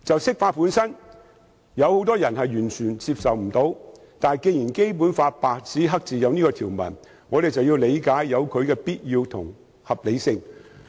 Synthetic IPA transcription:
t͡sɐ˨wsɪ˥k̚faː˧t̚puː˨˥nsɐ˥n | jɐ˨˧who˨˥wt̪ɔː˥jɐ˨˩nɦɐ˨jyː˨˩nt͡ʃʰyː˨˩nt͡siː˧p̚sɐ˨wm̩˨˩t̪o˨˥w | t̪aː˨˩nke˧jiː˨˩nke˥jp̬uː˨˥nfaː˧t̚paː˨k̚t͡siː˨˥ɦɐ˥k̚t͡siː˨˩jɐ˨˧wniː˥kɔ˧t̪ʰiː˨˩wmɐ̰˨˩n | ŋɔː˨˧ɾe˨jt͡sɐ˨wjiː˧wle˨˧jkaː˨˥jːɐ˨˧wkʰɵ˨˧ɥkɛː˧piː˥t̚jiː˧wt̪ʰʊ̰˨˩ŋ | hɐ˨p̚le˨˧jsɪ˧ŋ

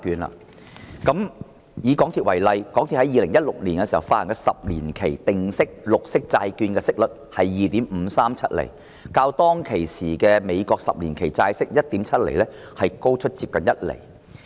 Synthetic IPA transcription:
kyː˧nla̰ː˧˨ | kɐ˨˥m | jiː˨˧kɔː˨˥ŋt̪ʰi˨t̚wɐ˨˩jlɐ˨jkɔː˨˥ŋt̪ʰi˨hɐ˨˦jiː˨˧lɪ˨˩ŋjɐ˥t̚lʊ˨k̚liː˨˩nkɛ˧siː˨˩hɐ˨˩wfaː˧t̚hɐ˨˩kɛ˧sɐ˨p̚liː˨˩nkʰe˨˩jt̪ɪ˨ŋsɪ˥k̚lʊ˨k̚sɪ˥k̚t͡saː˧jkyː˧nkɛː˧sɪ˥k̚lɵ˨˩t̚hɐ˨jːiː˨t̪iː˨˥mm̩˨˧saː˥mt͡sʰɐ˥t̚lḛ˨˩j | kaː˧wt̪ɔː˥ŋkʰe˨˩jsiː˨˩kɛː˧me˨˧jkɔː˧k̚sɐ̰˨p̚liː˨˩nkʰe˨˩jt͡saː˧jsɪ˥k̚jɐ˥t̚t̪iː˨˥mt͡sʰɐ˥t̚lḛ˨˩jlɛː˥ | hɐ˨jko˥wt͡ʃʰɵ˥t̚t͡siː˧p̚kɐ˨njɐ˥t̚lḛ˨˩j

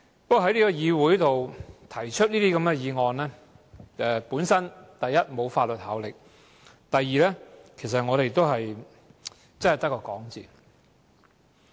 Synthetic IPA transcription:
pɐ˥kːɔː˨˧ɦɐ˥jliː˥kɔ˧jiː˨˧wuː˨˥jt̪o˨wt̪ʰɐ˨˩jt͡ʃʰɵ˥t̚niː˥t̪iː˥kɐ˨˥mɡɛ˧jiː˨˧ŋɔː˨nlɛː˥ | ɛ˨˧puː˨˥nsɐ˥nt̪ɐ˨jːɐ˥t̚mo˨˧wfaː˧t̚lɵ˨t̚haː˨˥wlɪ˨k̚ | t̪ɐ˨jːiː˨˧lɛː˥kʰe˨˩sɐ˨t̚ŋɔː˨˧ɾe˨jt̪o˥wɦɐ˨j | t͡sɐ˥nhɐ˨jt̪ɐ˥kːɔː˧kɔː˨˥ŋt͡siː˨

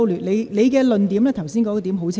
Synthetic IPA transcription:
wlyː˨˩nle˨˧jle˨˧jkɛː˧lɵ˨nt̪iː˨˥mlɛː˥t̪ʰɐ˨˩wsiː˥nkɔː˨˥ŋ˧t̪iː˨˥mɦo˨˥wt͡sʰ

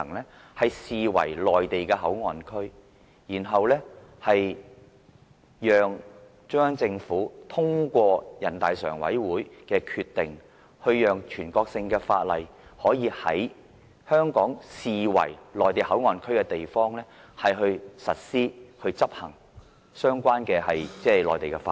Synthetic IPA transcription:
ŋlɛː˥ | hɐ˨jsiː˨wɐ̰˨˩jlɔː˨jt̪e˨jkɛː˧ɦɐ˨˥wŋɔː˨nkʰɵ˥ɥ | jiː˨˩nɦɐ˨wlɛː˥hɐ˨j | jœː˨ŋ | t͡ʃœː˥ŋt͡sɪ˧ŋfuː˨˥t̪ʰʊ˥ŋkʷɔː˧jɐ̰˨˩nt̪aː˨jsœ̰ː˨˩ŋwɐ̰˨˥jwuː˨˥jkɛː˧kʰyː˧t̪ːɪ̰˨ŋ | hɵ˧ɥjœː˨ŋt͡ʃʰyː˨˩nkɔː˧k̚sɪ˧ŋkɛː˧fa̰ː˧t̚lɐ̰˨jhɔː˨˥jiː˨˧hɐ̰˨˥j | hœː˥ŋkɔː˨˥ŋsiː˨wɐ̰˨˩jlɔː˨˩jt̪e˨jhɐ˨˥wŋɔː˨˩nkʰɵ˥ɥkɛ˧t̪e˨jfɔː˥ŋlɛː˥ | hɐ˨jɦɵ˧ɥsɐ˨t̚siː˥hɵ˧ɥt͡sɐ˥p̚hɐ̰˨˩ŋ | sœː˥ŋkʷwaː˥nkɛː˧hɐ˨jt͡sɛː˥˨lɔ̰ː˨jt̪e˨jkɛ˧fa̰ː˧

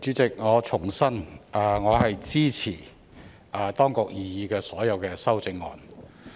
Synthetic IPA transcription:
t͡siː˨˥t͡sɪ˨k̚ŋɔː˨˧t͡sʰʊ˨˩ŋsɐ˥nʔɐː˨˧ŋɔː˨˧hɐ˨jt͡siː˥t͡sʰiː˨˩ | ʔɐː˨˧t̪ɔː˥ŋkʊ˨k̚jiː˨jiː˨˧kɛː˧sɔː˨˥jɐ˨˧wkɛː˧sɐ˥wt͡sɪ˧ŋːɔ̰ː˨n

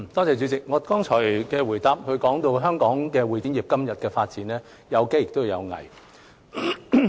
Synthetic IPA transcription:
t̪ɔː˥t͡sɛː˨˧t͡ʃy˨˧t͡sɪ˨k̚ŋɔː˨˧kɔː˥ŋt͡ʃʰɔː˨˩jkɛː˧wuː˨˩jt̪aː˨p̚hɵ˧ɥkɔː˨˥ŋt̪o˧wɦœː˥ŋkɔː˨˥ŋkɛː˧wu˨˩t̪iː˨˥njiː˨˩p̚kɐ˥mjɐ˨t̚kɛː˧faː˧t̚t͡siː˨˥nlɛː˥ | jɐ˨˧wke˥jɪ˨˩kt̪o˥wji˨˧jɐ˨˧wŋɐ̰˨˩j

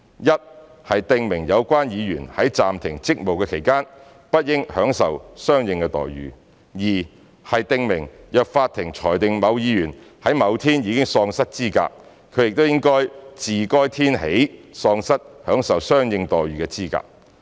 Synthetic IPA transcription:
jɐ˥t̚ | hɐ˨jt̪ɪ˧ŋmɪ˨˩ŋjɐ˨˧wkʷaː˥njiː˨˧jyː˨˩nhɐ˨˥jt͡saː˨mt̪ʰɪ˨˩ŋt͡sɪ˥k̚mo˨wkɛː˧kʰe˨˩jkaː˥n | pɐ˥t̚jɪ˥ŋhœː˨˥ŋsɐ˨wsœː˥ŋjɪ˨˧ŋkɛ˧t̪ɔ̰ː˨˩jɥy̰ː˨ | jiː˨˩ | hɐ˨jt̪ɪ˧ŋmɪ˨˩ŋjœː˨k̚faː˧t̪ʰɪ˨˩ŋt͡ʃʰɔː˨˩jt̪ɪ˨ŋmɐ˨˧wjiː˨˧jyː˨˩n | hɐ˨˥jmɐ˨˧wt̪ʰiː˥njiː˨˧kɪ˥ŋsɔː˧ŋsɐ˥t̚t͡siː˥ka̰ː˧k̚ | kʰɵ˨˧ɥjɪ˨k̚t̪o˥wjɪ˥ŋkɔː˥jt͡siː˨kɔː˥jt̪ʰiː˥nhḛ˨˥jsɔː˧ŋsɐ˥t̚hœː˨˥ŋsɐ˨wsœː˥ŋjɪ˧ŋt̪ɔː˨jɥyː˨kɛː˧t͡siː˥ka̰ː˧k̚

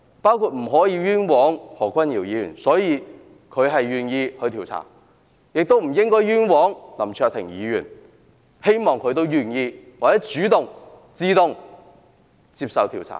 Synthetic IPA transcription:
paː˥wkʰuː˧t̚m̩˨˩ɦɔː˨˥jiː˨˧jyː˥nwɔː˨˥ŋhɔː˨˩kʰʷwɐ˥njiː˨˩wjiː˨˧jy̰ː˨˩nsɔː˨˥jiː˨˧ | kʰɵ˨˧ɥɦɐ˨jːyː˨njiː˧hɵ˧ɥt̪ʰiː˨˩wt͡sʰa̰ː˨˩ŋ | jɪ˨k̚t̪o˥wm̩˨˩jɪ˥ŋkɔː˥jjyː˥nwɔː˨˥ŋnɐ˨˩mt͡ʃʰœː˧k̚t̪ʰɪ̰˨˩ŋjiː˨˧ɥyː˨˩n | he˥jmɔː˨ŋkʰɵ˨˧ɥt̪o˥wjyː˨˩njiː˧waː˨t͡sɛː˨˥t͡ʃyː˨˥t̪ʊ˨ŋ | t͡siː˧t̪ʊ˨ŋ | t͡si˧p̚sɐ˨wt̪ʰiː˨˩wt͡sʰa̰˨˩ŋ

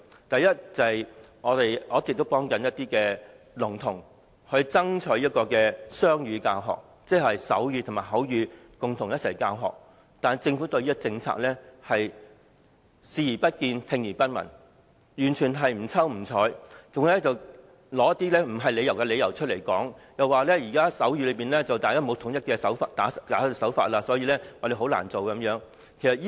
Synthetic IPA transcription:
t̪ɐ˨jɐ˥t̚t͡sɐ˨hɐ˨˩j | ɔː˨˧t̪e˨jʔɔː˨˥t͡sɪ˨k̚t̪o˥wpɔː˥ŋkɐ˨˥njɐ˥t̪iː˥kɛː˧ | lʊ˨˩ŋt̪ʰʊ˨˩ŋ | hɵ˧ɥt͡sɐ˥ŋt͡ʃʰɵ˨˥jɐ˥t̚kɔː˧kɛː˧sœː˥ŋjyː˨˧kaː˧wɦɔ̰ː˨k̚ | t͡sɛː˥˩hɐ˨jsɐ̰˨˥wjyː˧t̪ʰʊ˨˩maː˨˩jɦɐ˨˥wjyː˨˧ | kʊ˨ŋt̪ʰʊ˨˩ŋjɐ˥t̚sʰɐ˨˩jkaː˧wɦɔ̰ː˨k̚ | t̪aː˨n˨jt͡sɪ˧ŋfuː˨˥t̪ɵ˧ɥjiː˥kɔ˥˧t͡sɪ˧ŋt͡sʰa̰ː˧k̚lɛː˥hɐ˨j | siː˨˧jiː˨˩pɐ˥t̚kiː˧nt̪ʰɪ˧ŋjiː˨˩pɐ˥n̚mɐ̰˨˩n | jyː˨˩nt͡ʃʰyː˨˩nɦɐ˨jm̩˨˩t͡sʰɐ˥wm̩˨˩t͡sʰɔː˨˥jt͡sʊ˨˧ŋ˨˧lɛ˥t͡sɐ˨w | lɔː˨˥jɐ˥t̪i˥lɛː˥m̩˨˩ɦɐ˨jle˨˧jɐ˨˩wkɛ˧le˨˧jɐ˨˩wt͡ʃʰɵ˥le˨˩jkɔː˨˥ŋjɐ˨waː˨lɛː˥jiː˨˩kaː˥sɐ˨˥wjyː˧lɵ˨˧jpiː˨˩nlɛː˥t͡sɐ˨wt̪aː˨jkaː˥mo˨˧˥wt̪ʰʊ˨˩ŋjɐ˥t̚kɛ˧sɐ˨˥wfaː˧tt̪aː˨˥st̪aː˨˥˧sɐ˨˥wfa̰ː˧t̚laː˧sɔː˨˥jiː˧lɛː˥waː˨˩le˨˧˥ɦo˨˧˥wla̰ː˨˩nt͡so˨wkɐ˨˧˥mjœː˨˥ŋ | kʰe˨˩sɐ˨˩jiː˥

